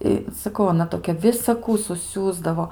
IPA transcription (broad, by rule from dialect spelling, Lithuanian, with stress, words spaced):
ˈɪ sɐˈkɐʊ ɐˈnɐ toːˈkʲɛ ʋʲɪsɐˈkuː sʊˈsʲuːzdɐʋoː